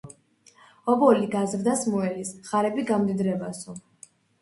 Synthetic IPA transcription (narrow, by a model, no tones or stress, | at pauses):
ɔbɔliɡazɾd̪asmɔɛlisχaɾɛbiɡamd̪id̪ɾɛbasɔ